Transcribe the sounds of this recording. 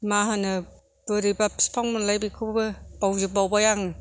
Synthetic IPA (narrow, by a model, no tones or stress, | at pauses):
maɦanɯ | b̥ɯɾibapspʰaŋmunlajbikʰɯbɯb̥awzɯbawbajaŋ